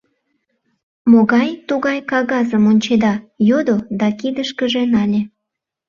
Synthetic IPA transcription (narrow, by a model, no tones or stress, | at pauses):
moɣɑjt̪uɣɑjkɑɣɑzəmonʲt͡ɕed̪ɑjod̪od̪ɑkid̪əʃkəʒenɑlʲe